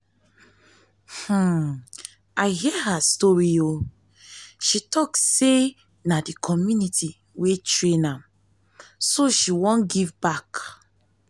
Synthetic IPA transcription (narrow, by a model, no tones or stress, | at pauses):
h̩ | aɪɦiəɦastɔɹio | ʃitʰɔkse | nadikʰɔmjunitʰi | wetɹẽnãm | soʃiwɔ̃nɡivbak